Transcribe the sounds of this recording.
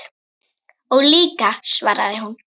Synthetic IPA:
ɔɣliːkasvaɾa̰ðɪɦun

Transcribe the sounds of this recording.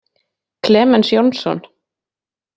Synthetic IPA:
kʰlɛːmɛnsjownsɔ̰n

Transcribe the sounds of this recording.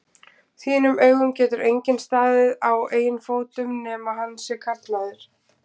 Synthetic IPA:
θiːnʏmʔœɥɣʏmcɛːt̪ʏɾejɲcɪnst̪aːðɪðaweːjʏnfoːwt̪ʏmnɛːmahanːsɛkʰat̪laðɪɾ̥

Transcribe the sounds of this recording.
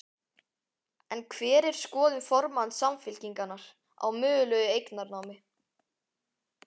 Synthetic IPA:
ɛnkʰvɛːɾɛɾ̥skɔːðʏnfɔɾmansamfɪlciŋkanːaɾ̥ | a̰wmʏːðʏlœːɣʏejknaɾnaːwmɪ

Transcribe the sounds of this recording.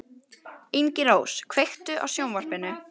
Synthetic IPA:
iɲcɪɾoːwskʰvejxt̪ʏʔa̰wsjownvar̥pɪnːʏ

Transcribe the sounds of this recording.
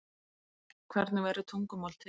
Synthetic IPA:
kʰvɛɾt̪nʏvɛɾʏt̪ʰuŋkʏmɔl̥t̪ʰɪ

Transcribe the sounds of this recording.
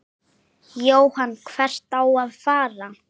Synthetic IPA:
joːwhanːkʰvɛr̥t̪awaðfaːɾa

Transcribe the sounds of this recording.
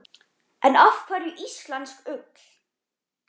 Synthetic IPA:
ʔɛnafkʰvaɾʏʔist̪lanskʏkl̥

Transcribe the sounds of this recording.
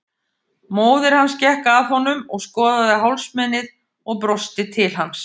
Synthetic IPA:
moːwðɪɾ̥hanːscɛhkaaːðhɔnːʏmɔɣskɔːðaðɪɦawlsmɛnɪð | ɔɣp̬ɾɔst̪ɪt̪ʰɪlɦans

